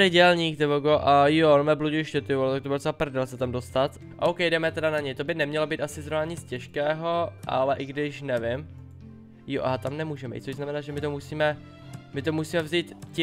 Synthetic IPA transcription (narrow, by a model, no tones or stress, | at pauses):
ɪdɛlɲiːk̚t̪ɪvoɡoʔajoonmɛbluɟɪʃcɛt̪ɪualt̪ak̚t̪obɪlsɛapr̩dɛlsɛt̪amdost̪at̪ | aʔowkɛjdɛmɛt̪ɛdanaɲɛjt̪o̞bɪnɛmɲɛlobiːt̪ʔasɪzɾovnaɲɪt͡scɛʃkɛːɦoʔa̰lɛʔɪɡdɪʃnɛvɪm | jo̰ʔa̰ɦat̪amnɛmuːʒɛmɛj̰ḭt̪t͡soʒznamɛnaːʒɛmɪt̪omusiːmɛ | mɪt̪omusiːmɛvziːt̪c